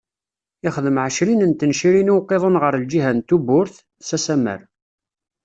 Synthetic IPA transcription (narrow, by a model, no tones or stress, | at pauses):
ɪχəðəmʕəʃlinənt̪ənʃiɾinuwqːeðˤənʁəɾld͡ʒiɦænt̪ubʊɾθ | sæsæmə̰ɾ